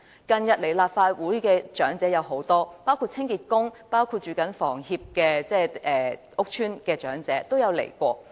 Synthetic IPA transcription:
kɐ˨njɐ˨t̚le˨˩jlaː˨p̚faː˧wuː˨˥jkɛː˧t͡ʃœː˨˥ŋt͡sɛː˨˥jɐ˨˧wɦo˨˥wt̪ɔː˥paː˥wkʰu˧t̚t͡sʰɪ˥ŋkiː˨t̚kʊ˥ŋpaː˥wkʰuː˧t̚t͡ʃyː˨˩kɐ˨˥nfɔː˨˩ŋhiː˧p̚kɛː˧t͡sɛː˥˩ʔɛː˨ʔʊ˥k̚t͡ʃʰyː˥nkɛː˧t͡ʃœː˨˥ŋt͡sɛː˨˥t̪o˥wjɐ˨˧wlḛ˨˩jkʷɔː˧

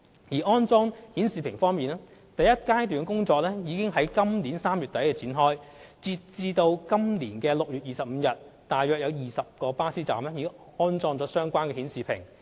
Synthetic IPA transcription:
jiː˨˩ʔɔː˥nt͡sɔː˥ŋhiː˨˥nsiː˨pʰɪ˨˩ŋfɔː˥ŋmiː˨naː˥ | t̪ɐ˨jɐ˥t̚kaː˥jt̪yː˨˧nkʊ˥ŋt͡sɔː˧k̚lɛ˥jiː˨˧kɪ˥ŋɦɐ˨˥jkɐ˥mliː˨˥nsaː˥mjyː˨t̚t̪ɐ˨˥jkɛː˧t͡sʰiː˨˥nɦɔː˥jt͡si˧t̚t͡siː˧t̪o˧wkɐ˥mliː˨˩nkɛː˧lʊ˨k̚jyː˨t̚jiː˨˩sɐ˨p̚m̩˨˧jɐ˨t̚t̪aː˨jːœː˨˩k̚jɐ˨˧wjiː˨sɐ˨p̚kɔː˧paː˥siː˥t͡sa̰ː˨mlɛ˥iː˨˧˥ŋ | ɔː˥nt͡sɔː˥ŋt͡sɔː˨˥sœː˥ŋkʷaː˥nkɛː˧hiː˨˥nsiː˨pʰɪ˨˩ŋ

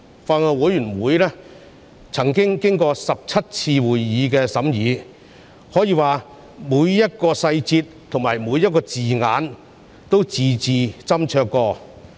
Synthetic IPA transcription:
faː˧ŋɔː˧wuː˨˧˥jyː˨˩nwuː˨˧˥jlɛː˥ | t͡sʰɐ˨˩ŋkɪ˥ŋkɪ˥ŋkɔː˧sɐ˨p̚t͡sʰɐ˥t̚t͡sʰiː˧wuː˨˩jːiː˨˥kɛː˧sɐ˨˥mjiː˨˧ | hɔː˨˥jiː˨˧waː˨ | muː˨˧jːɐ˥t̚kɔː˧sɐ˧jt͡siː˧t̚ | t̪ʰʊ˨˩ŋmaː˨˩jmuː˨˧jɐ˥t̚kɔː˧t͡siː˨ŋaː˨˥n | t̪o˥wt͡siː˨˧t͡siː˨t͡sɐ˥mt͡ʃʰœː˧kːɔː˧

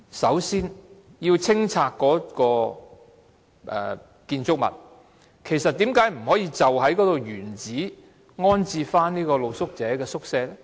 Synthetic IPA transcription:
sɐ˨˥wsiː˥njiː˧wt͡sʰɪ˥ŋt͡sʰaː˧kːɔː˨˥kɔː˧ | ʔɛ̰ː˨ | kiː˧nt͡sʊ˥k̚mɐ̰˨t̚ | kʰe˨˩jsɐ˨t̪̚iː˨˥mkaː˨˥jm̩˨˩hɔː˨˥jiː˧t͡sɐ˨wɦɐ˨˥jkɔː˨˥t̪o˨˧wjyː˨˩nt͡siː˨˥ | ŋɔː˥nt͡siː˧faː˥nniː˥kɔː˧lo˨˧wsʊ˥k̚t͡sɛː˨˥kɛː˧sʊ˥k̚sɛː˧lɛ˥

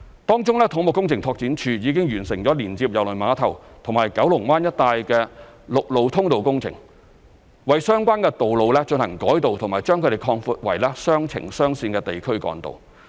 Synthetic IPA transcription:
t̪ɔː˥ŋt͡sʊ˥ŋlɛː˥t̪ʰʊ˨˧˥ŋmʊ˨kːʊ˥ŋt͡sʰɪ˨ŋt̪ʰɔː˧k̚t͡siː˨˥nt͡ʃʰyː˧jiː˨˧kɪ˥ŋjyː˨˩nsɪ˨˩ŋt͡ɕɔː˨˥liː˨˩nt͡siː˧p̚jɐ˨wlɵ˨˩jmaː˨˧˥t̪ʰɐ˨˩wt̪ʰʊ˨˩ŋmaː˨˩jkɐ˨˥wlʊ˨˩ŋmaː˥njɐ˥t̚t̪aː˧jkɛː˧lʊ˨k̚lo˨wt̪ʰʊ˥ŋt̪o˨wkʊ˥ŋt͡sʰɪ̰˨˩ŋ | wɐ˨jsœː˥ŋkʷwaː˥nkɛː˧t̪o˨wlo˨wlɛ˥t͡ʃɵ˧nhɐ˨˩ŋkɔː˨˥jt̪o˨wt̪ʰʊ˨˩ŋmaː˨˩jt͡ʃœː˥ŋkʰɵ˧ɾe˨˩jkʰɔː˧ŋfuː˧t̚wɐ˨˩jlɛː˥sœː˥ŋt͡sʰɪ̰˨˩ŋsœː˥ŋsiː˧nkɛː˧t̪e˨jkʰɵ˥ɥkɔ̰ː˨˥ŋt̪o̰˨w

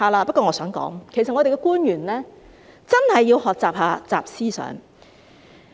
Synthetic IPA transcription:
aː˨˧laː˧pɐ˥kɔː˧ŋɔː˨˧sœː˨˥ŋkɔ̰ː˨˥ŋkʰe˨˩jsɐ˨t̚ŋɔ˨˧d̪e˨jkɛː˧kuː˥njyː˨˩nlɛː˥ | t͡sɐ˥nhɐ˨jːiː˧whɔː˨k̚t͡saː˨p̚haː˧t͡saː˨p̚siː˥sœ̰ː˨˥ŋ

